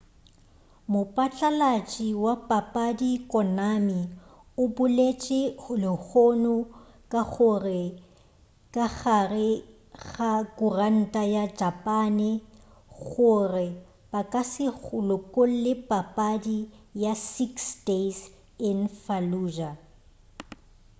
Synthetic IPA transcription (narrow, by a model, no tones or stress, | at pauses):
mʊpʼat͡ɬʼalat͡ʃʼiwapʼapʼadikʼɔnami | ʊbʊlet͡ʃʼɪlɪk͡xʰonʊ | kʼaɣʊrɪ | kʼaɣarɪ | ɣakʼʊran̩tʼajad͡ʒapʼaːnɪ | ɣʊrɪ | b̥akʼasɪʊlʊkʼol̩lɪpʼapʼadijasiksdes | ɪnfaluːʒa